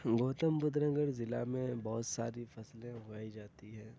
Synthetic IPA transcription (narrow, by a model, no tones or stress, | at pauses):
ɡoːt̪əmbʊd̪ɾə̃ŋɡəɾzɪla̰mẽbɔɦʊt̪saːɾifɐslẽɦʊaːid͡ʒaːt̪iɦɛ̃ː